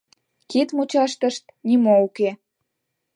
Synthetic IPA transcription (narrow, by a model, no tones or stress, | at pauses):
kit̪mut͡ɕɑʃt̪ə̆ʃt̪nimouke